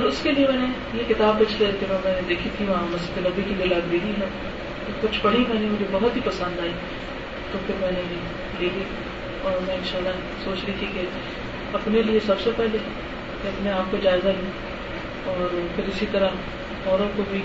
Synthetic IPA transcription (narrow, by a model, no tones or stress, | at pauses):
ɔːɾʊskeliemɛːne | jekɪt̪aːbkɐt͡ʃʰlekemɛ̃mɛ̃ːned̪eːkʰit̪ʰiʋɐɦãmɐst̪enɐbikid̪ɪlaːd̪biɦiɦɛ | ekʊt͡ʃʰbɐɽ̤imɛːnemʊd͡ʒʱebɐɦɔt̪ɦipɐsə̃nd̪aːɛ | t̪opʰɪɾmɛ̃ːneji | liːɡe | ɔːɾmɛ̃ːɪnʃaːlːa | soːt͡ʃlit̪ʰike | ɐpneliesɐbsepɛɦle | keɐbneaːp̚kod͡ʒaːezaɦĩ | ɔːɾpʰɪɾɪsit̪ɐɾə | fɔːɾə̃kobʱi